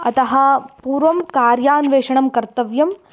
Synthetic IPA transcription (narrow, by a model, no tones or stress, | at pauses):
ɐt̪ɐɦɐ̆puːɾʋɐmkaːɾjaːnʋeːʂɐɳɐmkɐɾt̪ɐʋjɐm